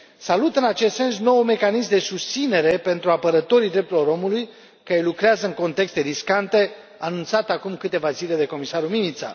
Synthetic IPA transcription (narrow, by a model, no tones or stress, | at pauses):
salut̪ɨnat͡ʃest̪se̞nsno̞wume̞kanismd̪e̞sust̪sine̞ɾe̞pe̞nt̪ɾuapəɾət̪o̞ɾid̪ɾe̞p̚t̪uɾilo̞ɾo̞muluj | kaelukɾeazəɨŋko̞nt̪e̞kst̪e̞ɾiskant̪e̞ | anunt̪sat̪akumkɨt̪e̞vazile̞d̪e̞ko̞misaɾuminit̪sa̰